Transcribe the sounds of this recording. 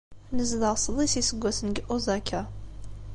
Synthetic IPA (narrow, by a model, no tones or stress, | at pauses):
nəzðəʁsˤðˤisisəɡʷːæsənɡəʔozækʰːæ